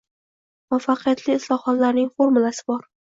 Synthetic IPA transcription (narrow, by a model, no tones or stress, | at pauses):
mafːaqʰɨjat̪lɪːslˠɒhɒt̪laɾnɪŋfoɾmʊlasɪbɒɾ